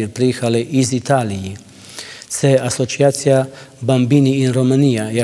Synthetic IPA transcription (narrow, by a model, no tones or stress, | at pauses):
iɾpɾijexalɛʔizit̪aːliji | sɛasɔt͡ʃ̪iaːt̪sijabambiːniːnɾɔmanijaja